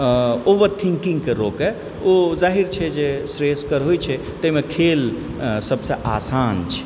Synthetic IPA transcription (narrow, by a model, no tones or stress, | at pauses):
oʋəɾt̪ʰĩŋkĩŋɡkeɾoːkɛ | ozaːɦiɾt͡ʃʰɛd͡ʒesɾeskəɾɦojt͡ʃʰɛ | t̪əmekʰeːl | səbsəʔa̰ːsaːnt͡ʃʰɛ̥